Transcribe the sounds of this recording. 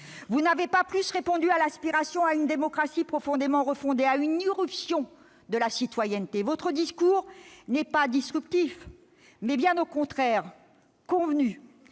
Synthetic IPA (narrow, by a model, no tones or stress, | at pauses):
vunavepaplysʁepɔ̃d̪yalɛ̃spiʁasjɔ̃aynd̪emɔkχasipχɔfɔ̃d̪emɑ̃ʁəfɔ̃d̪eayniʁypsjɔ̃ | d̪əlasit̪wajɛnt̪evɔt̪χəd̪iskuːʁnɛpad̪isʁypt̪if | mɛbjɛ̃nokɔ̃t̪χɛʁ | kɔ̃vny